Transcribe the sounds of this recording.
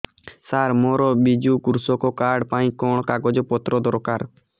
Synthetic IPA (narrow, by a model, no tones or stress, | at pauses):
saɾmɔɾɔbid͡ʒukuɾusɔkɔkaɾɖpaĩkɔɽ̃ɔkaɡɔd͡ʒɔpɔt̪ɾɔd̪ɔɾkaɾ